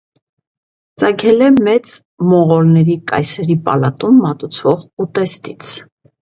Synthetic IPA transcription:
t͡sɑkʰɛlɛmɛt͡s | mɔʁɔɾnɛɾikɑ̰jsɛɾipɑ̰lɑt̪umːɑt̪ut͡sʰvɔʁut̪ɛst̪it͡sʰ

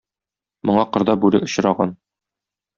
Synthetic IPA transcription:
mŏɴɑqɤ̆ɾd̪ɑbʉɾɘʔŏɕ̆ɾɑʁɑn

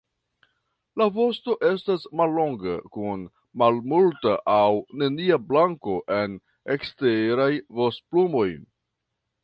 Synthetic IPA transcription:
lavo̞sto̞ʔe̞stasmalːo̞ŋɡa̰kun | malmultaʔawne̞niablaŋko̞ʔe̞n | ekste̞ɾajvostplumo̞j

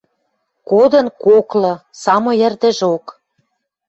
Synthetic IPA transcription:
kod̪ɤ̆nkoklɤ̆sɑmojĕrd̪ə̆ʒok

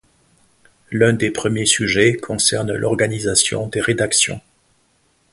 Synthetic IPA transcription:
lɛ̃d̪epχəmjesyʒɛkʰɔ̃sɛʁnlʔɔ̰ʁɡanizasjɔ̰̃d̪eʁed̪aksjɔ̰̃

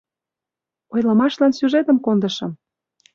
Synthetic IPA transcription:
ojlɤ̆mɑʃlɑnsyʒet̪ə̆mkond̪ə̆ʃɤ̆m

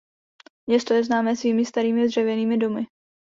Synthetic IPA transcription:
mɲɛst̪ojɛznaːmɛːsviːmɪst̪aɾiːmɪd̪r̝ɛvjɛniːmɪdomɪ

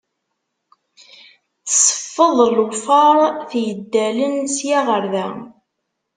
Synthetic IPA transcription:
θsə̥fːəðˤlufɑɾˤθjəd̪ːælənsjaʁəɾðæ

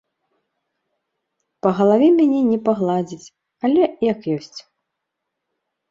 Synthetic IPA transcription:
pɐɣɐlˠavʲɛmʲanʲɛnʲɛpaɣlˠad͡zʲit͡sʲ | alʲɛjɐkjɔsʲt͡sʲ

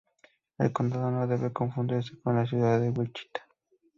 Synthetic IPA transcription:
ḛlkond̪aðonoðeβekoɱfund̪iɾs̬ekonlas̬juðaðewelt͡ʃi̥t̪ḁ

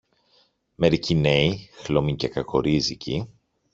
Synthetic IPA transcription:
me̞ɾicineixlomiɲcekɐkoɾizicʰi

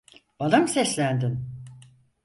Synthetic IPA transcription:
bad̪amsɛslʲænd̪ɪn

